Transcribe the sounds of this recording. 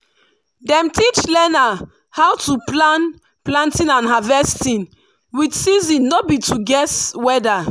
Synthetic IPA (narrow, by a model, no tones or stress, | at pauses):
dɛ̃mtit͡ʃlɛna | hawtuplãn | plãntĩnãnɦavɛstĩn | widsizĩnːobituɡɛswɛda